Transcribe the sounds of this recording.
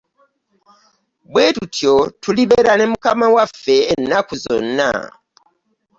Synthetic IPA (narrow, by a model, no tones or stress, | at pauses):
bweːtutjotʰuliβeɾane̞mukamawafeːnːakuzo̰nːa̰